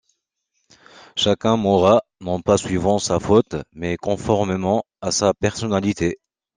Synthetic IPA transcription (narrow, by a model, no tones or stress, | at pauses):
ʃakʲɛ̃mɔʁanɔ̃pasɥivɑ̃safot̪mɛkɔ̃fɔʁmemɑ̃ | asapɛʁsɔnalit̪e